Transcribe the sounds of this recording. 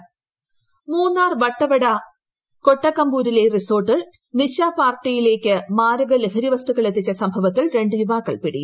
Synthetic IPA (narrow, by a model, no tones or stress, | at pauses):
muːnːaːrʋɐʈːɐʋɐɽɐ | ko̞ʈːɐkːɐmbuːɾile̞riso̞ːrʈːiɭ | niɕaːpaːrʈːijile̞ːkʲːɨmaːɾɐɣɐleɦɐɾiʋɐst̪uɣɐɭe̞t̪ːit͡ɕːɐsɐmbʱɐʋɐt̪ːilɾe̞ɳɖɨjubaːkːɐɭpiɽiju